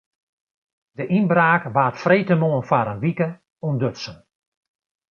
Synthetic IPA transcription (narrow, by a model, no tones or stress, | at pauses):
d̥əʔinbraːkʋaːtfrejtəmoːənfaɾənʋikə | undøtsən